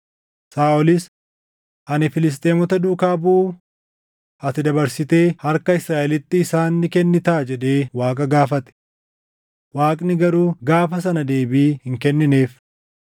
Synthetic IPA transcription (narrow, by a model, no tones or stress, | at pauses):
saːʔɔlɪs | ʔɐnɪfɪlɪs̬t̪ʼeːmɔt̪ɐd̪uːkaːbuː | ɐt̪ɪd̪ɐbɐɾsɪt̪e̞ːhɐɾkɐɪsɾaːʔɛlɪt̪ːɪːsaːnːɪkɛnːɪt̪aːd͡ʒɛᶑe̞ːwaːkʼɐɡaːfɐt̪ɛ̥ | waːkʼnɪɡɐɾuːɡaːfɐs̬ɐnɐd̪e̞ːbiːhɪŋkɛnːɪneːf